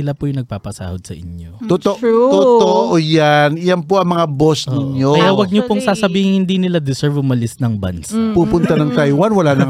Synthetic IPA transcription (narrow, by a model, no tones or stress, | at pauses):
ɪlapʊjʊŋnɐɡ̚paːpɐsa̰ːhod̪̚sɐ̰ʔɪɲo̰t̪ot̪oʔuot̪oʔoʔojanɪjanpoʔɐŋmɐŋabosnɪɲoɐjawɐɡ̚ɲopoŋsaːsɐbiːhɪŋhɪnd̪inɪlad̪ɪsɛɹvʊmɐlɪsnɐŋbɐ̰nsapuːpʊnt̪anɐŋt̪ajwanwɐlaːnɐŋ